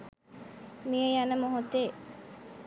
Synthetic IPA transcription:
mijejanəmoɦod̪eː

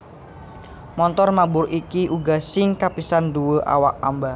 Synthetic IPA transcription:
mɔnt̪ɔrmabʊɾʔikiʔuɡasɪŋkapisanduwoʔa̰wa̰k̚ːamba

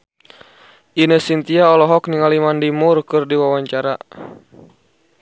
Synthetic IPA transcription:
ʔinəsint̪iaɔlɔɦɔkniŋalimandimurkɨrdiwawaɲt͡ʃaɾa

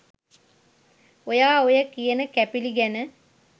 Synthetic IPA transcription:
ojaːojəkijənəkæpiliɡænə

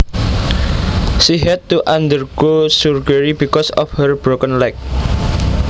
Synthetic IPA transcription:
siɦɛd̪̚t̪uʔand̪ərɡ̥osurɡəɹibikɔsɔfhərb̥ɾokənlak̚

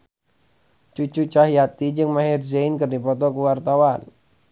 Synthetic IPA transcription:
t͡ʃut͡ʃut͡ʃaɦijat̪id͡ʒɨŋmaɦirzeinkɨrdipɔt̪ɔkuwart̪awan

